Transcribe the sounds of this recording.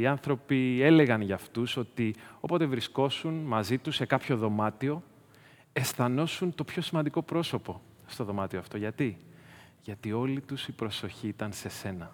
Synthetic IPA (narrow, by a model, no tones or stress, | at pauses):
iɐnθɾo̞pie̞le̞ɣɐnʝɐft̪uso̞t̪io̞pot̪e̞vɾisko̞sunmɐzit̪use̞kɐpço̞ðo̞mɐt̪io̞ | e̞sθɐno̞sunt̪o̞pço̞simɐnd̪iko̞pɾo̞so̞po̞ | st̪o̞ðo̞mɐt̪io̞ɐft̪o̞ʝɐt̪i | ʝɐt̪io̞lit̪usipɾo̞so̞çiːt̪ɐnse̞se̞nɐ